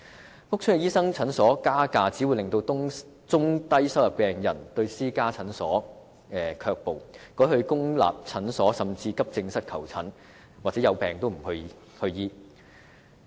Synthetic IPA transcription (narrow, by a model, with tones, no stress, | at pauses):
fʊ˥k̚t͡ʃʰɵ˥ɛ˨˧jiː˥sɐ˥ŋt͡sʰɐ˨˥nsɔː˨˥kaː˥kaː˧t͡siː˨˥wu˨˧jlɪ˨ŋt̪o˧w | t͡sʊ˥ŋt̪ɐ˥jsɐ˥wjɐ˨p̚pɛː˨˧ŋjɐ˨˩nt̪ɵ˧ɥsiː˥kaː˥t͡sʰɐ˨˥nsɔː˨˥ | ɛː˨kʰœː˧k̚po˨wkɔː˨˥hɵ˧ɥkʊ˥ŋla̰ː˨p̚t͡sʰɐ˨˥nsɔː˨˥sɐ˨mt͡siː˧kɐ˥p̚t͡sɪ˧ŋsɐ˥t̚kʰɐ˨˩wt͡sʰɐ˨˥n | waː˨t͡sɛː˨˥jɐ˨˧wpɛː˨˩ŋt̪o˥wm̩˨˩hɵ˧ɥ | hɵ˧ɥjiː˧